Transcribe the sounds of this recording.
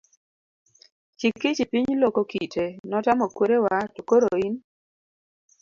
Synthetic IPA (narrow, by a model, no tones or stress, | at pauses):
t͡ʃikːit͡ʃipiɲlokokitʰenɔtamɔkwoɾewatukoɾoin